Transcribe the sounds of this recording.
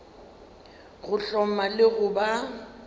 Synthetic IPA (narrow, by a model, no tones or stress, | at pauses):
ɣʊɬɔmalɪɣʊba